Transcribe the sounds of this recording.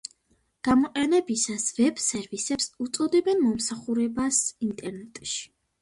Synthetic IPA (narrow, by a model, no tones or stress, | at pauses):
ɡ̥amɔqʼɛnɛbisasvɛb̥sɛɾvisɛpsut̪sʼɔd̪ɛbɛnmɔmsaχuɾɛbasint̪ʼɛɾnɛt̪ʼʃi̥